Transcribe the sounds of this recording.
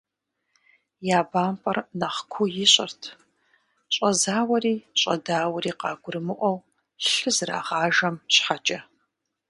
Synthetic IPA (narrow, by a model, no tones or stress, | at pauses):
jaːbaːmpʰʼɐrnɐχkʷʰʊjɪɕʼɪ̰rtʰ | ɕʼɐzaːwɐɾiːɕʼɐdaːwɐɾiːqɑːɡʷʊrɨmɨʔʷɔw | ɬɨzra̰ːʁɑːʒɐmɕħat͡ʃʼɐ